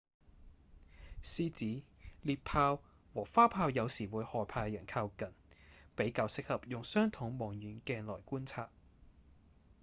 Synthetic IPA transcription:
siː˥t͡siː˨˥liː˧t̚pʰaː˧w | wɔː˨˩faː˥pʰaː˧wjɐ˨˧wsiː˨˩wuː˨˧˥jhɔː˨˩jpʰaː˧jɐ˨˩nkʰaː˧wkɐ˨npe˨˥jkaː˨˧wsɪ˥k̚hɐ˨p̚jʊ˨ŋsœː˥ŋt̪ʰʊ˨˥ŋmɔː˨˩ŋjyː˨˥nkɛː˧nlɔː˨˩jkuː˥nt͡sʰaː˧˥t̚

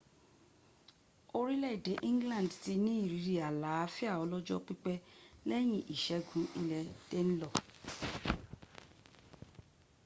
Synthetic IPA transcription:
o˧ɾi˦lɛ˦i˨de˨˦ʔĩ˦ŋɡlã˦˨n˨dti˧nĩ˦i˦˨ɾi˨˧˦ɾi˨a˨la˨˦fi˦a˦˨ɔ˨˧˦lɔ˦d͡ʒɔ˦k͡pi˦k͡pɛ˦lɛ˦j̃ĩ˦ʔi˨ʃɛ˨˦ɡũ˨˦i˧lɛ˧te˦ñ̩˦lɔ˦˨

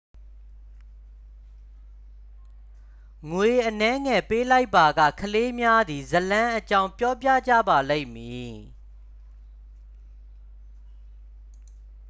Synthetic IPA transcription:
ŋwe˨ʔənɛ˦ŋɛ˨pe˦la˦ɪpːa˨ɡä̰˦˨kʰəle˦mja˦d̪i˨zəlã˦ʔət͡ɕã˦ʊ̃mpjɔ˦pjä̰˦˨d͡ʑä̰˦˨ba˨le˦ɪ̃˨mji˨

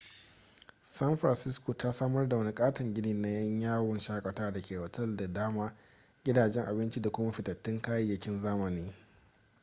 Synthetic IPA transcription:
sɐ˦nɸɾɐ˨nsɪ˦skoː˨ta˦saː˦mɐ˦rda˨wɐ˦ni˦kʼaː˦tɪ˨ŋɡʲɪ˦niː˨na˦jɐ˦ɲjaː˦wɔ˨nʃaː˦kʷʼɐ˨taː˦dɐ˨kʲeː˨wɐ˨tɐ˦˨lda˨daː˦maː˦ | ɡʲɪ˦daː˨d͡ʒɛ˦ŋʔa˨bɪ˦nt͡ʃi˦da˨kʷʊ˦ma˦ɸɪ˨tɐ˨tːɪ˦ŋkaː˦jɐ˦jːɐ˨kʲɪ˦nzaː˦mɐ˨niː˦

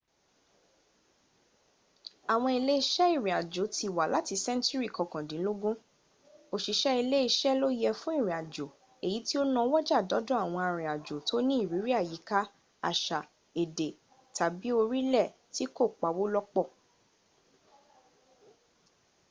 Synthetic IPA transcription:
a˨w̃ɔ̃˧i˧le˦i˧ʃɛ˦i˦˨ɾĩ˨a˨d͡ʒo˨˦ti˧˦˨wa˨la˨˦ti˧sɛ̃˦n˦tu˦ɾi˦˨kɔ˧kɔ̃˨dĩ˨˦lo˦ɡũ˦ | o˧˨ʃi˧ʃɛ˦i˧le˦i˧ʃɛ˦lo˦jɛ˧fũ˦i˦˨ɾĩ˨a˨d͡ʒo˨ | e˨ji˨˦ti˦o˦nã˧˦wɔ˦d͡ʒa˦˨dɔ˨˦dɔ̃˦a˦˨w̃ɔ̃˧a˧ɾ̃ĩ˨a˨d͡ʒo˨to˦nĩ˦i˦˨ɾi˨˦ɾi˦a˦˨ji˨˦ka˦ | a̰˨ʃa˨ | e˨de˨ | ta˨bi˨˦o˧ɾi˦lɛ˦˨ | ti˨˦ko˦˨k͡pa˨wo˦lɔ˦k͡pɔ˦˨

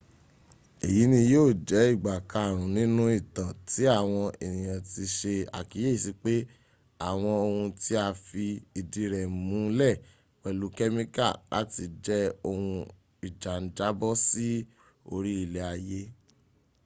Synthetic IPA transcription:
e˨ji˨˦nĩ˧joː˦˨d͡ʒɛ˨˦i˦˨ɡ͡ba˨ka˨˧˨ɾ̃ũ˨nĩ˦nũ˦i˦˨tã˨ti˨˦a˦˨w̃ɔ̃˧e˨nĩ˨j̃ã˨ti˧ʃe˧a̰˨ki˨˦je˦i˦˨si˧˦k͡pe˦ | a˨w̃ɔ̃˧o˧hũ˧ti˦a˧fi˧i˧di˨˦ɾɛ˨mũ˨˦lɛ˦˨ | wɛ˨lu˨˦kɛ˦mĩ˦ka̰˦˨la̰˦ti˧d͡ʒɛ˦o˧hũ˧ | i˨d͡ʒa˨n̩˨˦d͡ʒa˨˦bɔ˦si˦ | o˧ɾi˦i˦˨le˧˦a˧je˦

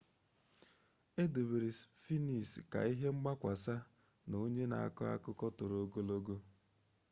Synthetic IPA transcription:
e˦du˨be˨ɾi˨sfi˦ni˨ska̰˨i˦ɦe˦ŋ͡m̩˦ɡ͡ba˦kʷa˨sa˦ | no˦ɲe˦na̰˨a̰˦kʊ˦a̰˦kʊ˦kɔ˦tʊ˨ɾo˦ɡo˦lo˦ɡo˦

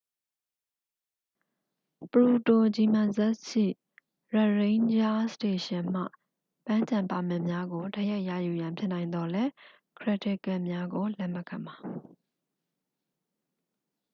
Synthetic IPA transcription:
pəɹu˨to˨d͡ʑi˨mã˨nzɛ˦ʔʃḭ˦˨ | ɹa˨ɹẽ˦ɪ̃ɲd͡ʑa˦ste˨ʃɪ̃˨m̥ä̰˦˨ | pã˦ɲt͡ɕã˨mpa̰˨mɪ̃˦˨mja˦ɡo˨da˦ja˦ɪʔjä̰˦˨ju˨jã˨mpʰjɪ˦nã˨ɪ̃nd̪ɔ˨lɛ˦ | kʰɹɪ˨tʰɪ˦˨kɛ˦˨mja˦ɡo˨lɛ˦˨mə˨kʰã˨ma˨

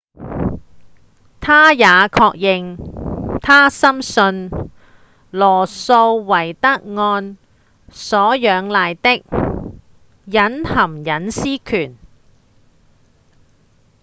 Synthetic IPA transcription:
t̪ʰaː˥jaː˨˧kʰɔː˧k̚jɪ˨˧ŋ | t̪ʰaː˥sɐ˥msɵ˧n | lɔː˨˩so˧wwɐ˨˩jt̪ɐ˥k̚ŋɔː˧n | sɔː˨˥jœː˨˧ŋlaː˨jt̪ɪ˥k̚ | jɐ˨˥nhɐ˨˩mjɐ˨˥nsiː˥kʰyː˨˩n

